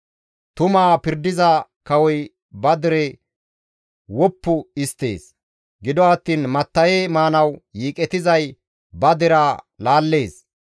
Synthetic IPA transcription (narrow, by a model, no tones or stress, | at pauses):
t̪ʊmaːpɪɾd̪ɪzɐkɐwɔj | bɐd̪ɪɾɛ | wɔpːʊɪst̪ːe̞̰ːs | ɡɪd̪ɔɐt̪ːiːnmɐt̪ːɐjeːmaːnɐwjiːkʼɛt̪ɪzɐj | bɐd̪ɪɾa | laːlːe̞ːs